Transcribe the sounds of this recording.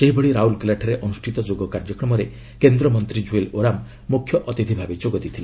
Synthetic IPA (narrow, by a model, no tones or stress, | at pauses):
seɦibɔɽɭiɾaɦulklaʈʰɔɾeʔɔnusʈʰit̪ɔd͡ʒoɡɔkaɾd͡ʒɔkɾɔmɔɾe | kend̪ɾɔmɔnt̪ɾid͡ʒueloɾamː | ukʰjɔʔɔt̪id̪ʰʱibʱabed͡ʒoɡɔd̪it̪ʰile